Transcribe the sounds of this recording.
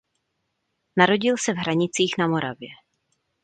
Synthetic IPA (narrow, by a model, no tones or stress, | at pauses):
naɾo̞ɟɪlsɛvɦɾaɲɪt͡siːxnamo̞ɾa̰vjɛ